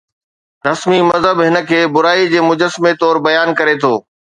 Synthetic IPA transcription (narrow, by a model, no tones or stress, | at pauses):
ɾɐsmimɐzɦəbɦɪnə̆kʰeːbʊɾaːid͡ʑeːmʊd͡ʑəsmet̪ɔːɾbɐjaːnkɐɾet̪ʰoː